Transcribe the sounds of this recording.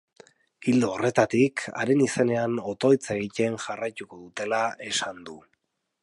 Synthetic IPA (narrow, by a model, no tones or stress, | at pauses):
ɡild̪oːre̞t̪at̪ikʰa̰ɾe̞nise̞ne̞ano̞t̪o̞jt͡seɣic̪e̞nʝarajt̪uko̞ðut̪e̞lae̞sand̪u